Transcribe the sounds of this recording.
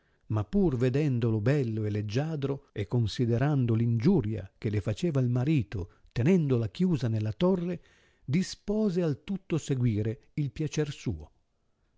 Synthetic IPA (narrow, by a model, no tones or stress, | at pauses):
mapːurved̪ɛnd̪olobɛlːoelːed͡ʒːaːd̪ɾoekːonsid̪eɾand̪olind͡ʒuɾja̰kelefat͡ʃeːvailmaɾiːt̪o | t̪enɛnd̪olakjuːzanelːat̪ɔrːe | d̪ispɔːzealt̪ut̪ːoseɡwiːɾeilpjat͡ʃɛrsṵːo